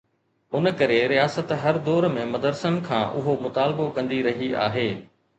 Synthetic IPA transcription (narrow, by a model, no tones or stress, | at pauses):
ʊnkɐɾeɾijaːsət̪ɦɐɾd̪ɔːɾmẽmɐd̪əɾsənkʰãːʔʊɦomʊt̪aːlbokɐ̃nd̪iɾɐɦia̰ːɦeː